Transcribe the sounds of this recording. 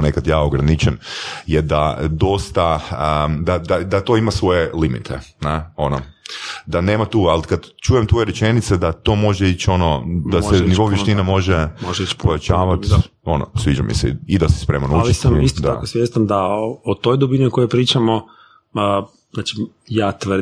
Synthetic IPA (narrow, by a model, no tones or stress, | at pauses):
nekad̪jaːoɡɾanit͡ʃenjed̪a̰d̪o̞st̪a | d̪ad̪ad̪at̪o̞ːimasʋo̞jelimḭt̪ʰḛneo̞nod̪ane̞ːmat̪uːalkad̪t͡ʃuːjemt̪ʋo̞jeɾet͡ʃe̞nit̪sed̪at̪o̞ːmo̞ʒeit͡ɕo̞nod̪aseniʋo̞uʋjeʃt̪inamo̞ʒemoʒipojat͡ʃaːʋat̪ | o̞no̰sʋid͡ʒa̰mḭsɛ̰id̪asɛ̥spɾemanult͡ʃisamisod̪aa̰osʋjest̪and̪aot̪ojd̪obinikojepɾiːt͡ʃamo | zaːt͡ʃi | jaːt̪ʋr